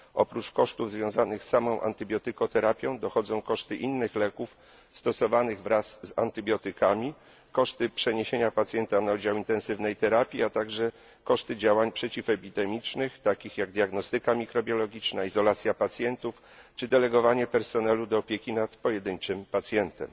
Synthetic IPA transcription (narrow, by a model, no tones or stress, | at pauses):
ʔɔ̰pɾut͡ʂkɔʂt̪uvzvʲjɔ̃w̃zanɘxsːamɔ̃w̃ʔa̰nt̪ɘbʲjɔt̪ɘkɔt̪ɛɾapʲjɔ̃w̃d̪ɔxɔd̪zɔ̃w̃kɔʂt̪ɘʔinːɘxlɛkuf | st̪ɔsɔvanɘɣvɾasːa̰nt̪ɘbʲjɔt̪ɘkamʲi | kɔʂt̪ɘpʂɛɲeɕeɲapat̪sʲjɛnt̪anaud͡ʑawint̪ɛnsɘvnɛjt̪ɛɾapʲjiat̪aɡʐɛ | kɔʂt̪ɘd͡ʑawaɲpʂɛt͡ɕifɛpʲid̪ɛmʲit͡ʂnɘxt̪akʲixjaɡd̪ʲjaɡnɔst̪ɘkamʲikɾɔbʲjɔlɔɡʲit͡ʂnaizɔlat̪sʲjapat̪sʲjɛnt̪uf | t͡ʂɘd̪ɛlɛɡɔvaɲɛpɛɾsɔnɛlud̪ɔːpʲjekʲinat̪pɔjɛd̪ɘɲt͡ʂɘmpat̪sʲjɛnt̪ɛ̰m